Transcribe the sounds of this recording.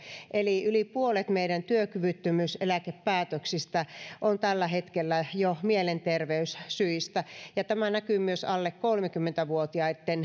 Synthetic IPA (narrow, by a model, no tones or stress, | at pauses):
ʔeliylipuolet̪meiɾænt̪yøkyʋyt̪ːymyselækeppæːt̪øksist̪æʔont̪ælːæhet̪kelːæjomielent̪erʋeyssyist̪æjɑt̪æmænækymyøsɑlːekkolmekymːent̪æʋuot̪iɑet̪ːen